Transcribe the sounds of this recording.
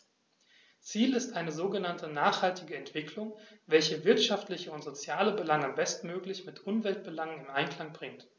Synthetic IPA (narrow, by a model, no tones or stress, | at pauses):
t͡siːlɪstʔaɪnəzoːɡənantʰənaːχhaltɪɡəɛntv̥ɪkʰlʊŋvɛlçəvɪɐtʃaftlɪçəʊntz̥ot͡sjaːləbəlaŋambɛstn̩møːklɪçmɪtʔʊmvɛlt̚b̥əlaŋənɪnʔaɪnkʰl̥aŋbʁɪŋt